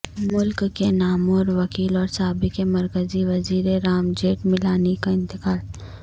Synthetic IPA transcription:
mʊlkːenaːmɔːɾʋɐkiːlɔːɾsaɦaːbɪkemɐɾkəziʋɐziːɾeɾaːmd͡ʒeːʈmɪlaːnekaɪ̃nt̪ɪkaːl

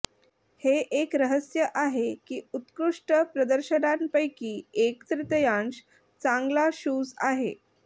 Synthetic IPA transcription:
heʔekɾəɦəsjəʔaɦekiːut̪kɾuʂʈəpɾəd̪əɾɕənanpəjkiːekt̪ɾɪt̪əjaɳɕ | t͡sãŋɡlaɕuːd͡zaɦe

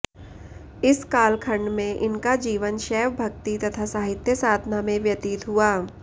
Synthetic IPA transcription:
ɪskaːlkʰə̃ɳɖmẽʔɪnkad͡ʒiːʋənʃɛːʋbʱɐk̚t̪it̪ɐt̪ʰasaːɦɪt̪jəsaːd̪ʱnamẽʋjɐt̪ɪt̪ɦuaː

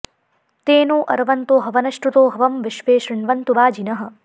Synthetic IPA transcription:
t̪eːnoːʔɐɾɐʋɐnt̪oːɦɐʋɐnɐʃʈɾut̪oːɦɐʋɐmʋɪʃʋeːʃɾɪɳʋɐnt̪uʋaːd͡ʒinɐɦɐ̆

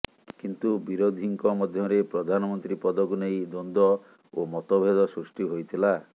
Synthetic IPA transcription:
kint̪ubiɾod̪ʱiŋkɔmɔd̪ʱjɔɾepɾɔd̪ʱanɔmɔnt̪ɾipɔd̪ɔɡunejd̪ond̪ɔ | omɔt̪obʱed̪ɔsɾusʈiɦojt̪ʰila

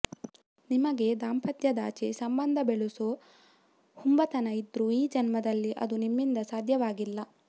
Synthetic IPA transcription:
nimɐɡe̞d̪aːmpɐt̪jɐd̪a̰ːt͡ʃesɐmbɐnd̪ʱɐbeɭuso | humbɐt̪ɐnɐid̪ɾuiːd͡ʒɐnmɐd̪ɐlːiʔɐ̰d̪unimːind̪ɐsaːd̪ʱjɐʋaːɡilːɐ

